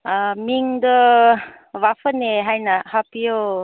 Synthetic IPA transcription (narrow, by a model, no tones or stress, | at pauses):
amiŋd̪ə | ʋafəneɦajnahapijo